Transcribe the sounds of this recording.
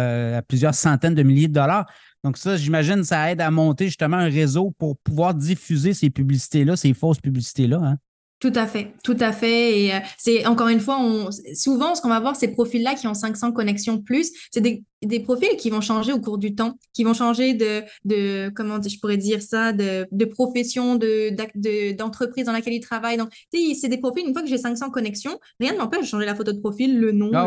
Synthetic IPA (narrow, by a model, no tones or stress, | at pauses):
øaplyzjœːʁsɑ̃t̪ɛnd̪əmiljed̪əd̪ɔlaːʁ | d̪̥ɔ̃ksʌʒimaʒɪnsaɛd̪amɔ̃t̪eʒyst̪əmɑ̃ɛ̃ʁezopuʁpuvwaːʁd̪ifyzesepyblisi̥t̪elʌsefɔspyblisi̥t̪elʌɛ̃ | t̪ut̪afɛt̪ut̪afɛeøsɛɑ̃kɔʁynfwaɔ̃suvɑ̃sə̥kɔ̃vavwaːʁsepχɔfilːakʲiɔ̃sɛ̃ksɑ̃kɔnɛksjɔ̃plysːɛd̪ed̪epχɔfilkʲivɔ̃ʃɑ̃ʒeokuʁd̪yt̪ɑ̃kʲivɔ̃ʃɑ̃ʒed̪əd̪əkɔmɑ̃ʒəpuʁɛd̪iʁsad̪əd̪əpχɔfɛsjɔ̃d̪əd̪ad̪əd̪ɑ̃t̪χəpχizd̪ɑ̃lakʲɛlit̪χavajd̪ɔ̃k̚t̪esɛd̪epχɔfilynfwakəʒɛsɛ̃ksɑ̃kɔnɛksjɔ̃ | ʁjɛ̃d̪əmɑ̃pɛʃʃɑ̃ʒelafot̪od̪əpχɔfilːənɔ̃